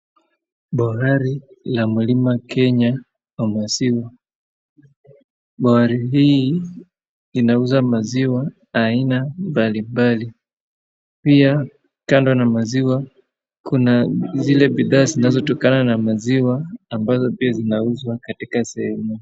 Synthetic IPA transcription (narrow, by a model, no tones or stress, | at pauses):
ɓahaɾi | lamulimakʰɛɲa | amwaziwa | ɓahaɾiɦiː | inauzamaziwaː | inambalimbali | pia | kandɔnamaziwa | kunazilɛɓiðaːzinazɔtɔkananamaziwaːmbazɔpiazinauzwakatikasɛhɛmu